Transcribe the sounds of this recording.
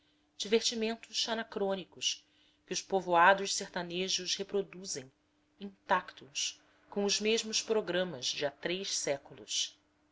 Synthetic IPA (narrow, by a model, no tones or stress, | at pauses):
d͡ʒiveɾt͡ʃimẽnt̪ʊʃːanakɾõnikʊs | kɪʊʃpovoad̪ʊʃseχt̪aneʒʊshepɾod̪uzẽj̃ | ĩnt̪akt̪ʰus | kõw̃ʊzmeʒmʊspɾoɡɾɐ̃mɐzd͡ʒiat̪ɾejʃsɛkulˠṵs